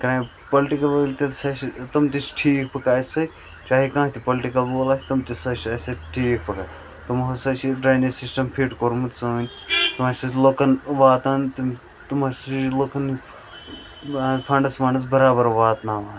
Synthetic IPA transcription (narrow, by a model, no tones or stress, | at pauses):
kɐɾaː | pɐlʈikɐlʋɐlʲt̪it̪sɐʃit̪ɐmt̪it͡ʃʈʰiːkpʰɐkaːsɐ | t͡ʃaːɦikãːt̪ʰipɐlʈikɐlboːlaːsʲt̪ɐmt̪isɐʃɐsɐʈʰiːk̚pʰɐkaː | t̪umɦɐsɐt͡ʃiɖɾaːjnisisʈɐmpʰiʈkoɾmut̪ʲsɐnʲ | t̪umaːsɐsloːkɐnʋaːt̪aːnt̪ | t̪umaːsloːkʰɐn | fʰɐɳɖɐsfɐɳɖɐs̬bɐɾaːbɐɾʋaːt̪naːʋaːn